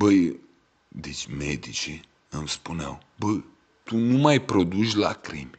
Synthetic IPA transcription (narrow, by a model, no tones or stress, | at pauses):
bəj | d̪et͡ʃʲmed̪it͡ʃi | ɨmspunea̰w | bəj | t̪unumajpɾod̪ut͡ʃʲla̰kɾḭm